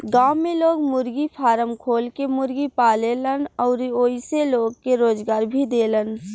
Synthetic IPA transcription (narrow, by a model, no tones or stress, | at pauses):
ɡaːmːeloːɡmʊɾɡipʰaːɾəmkʰoːlkemʊɾɡipaːlelənɔːɾoiseloːɡkeɾoːd͡ʒɡaːɾbʱid̪eːlən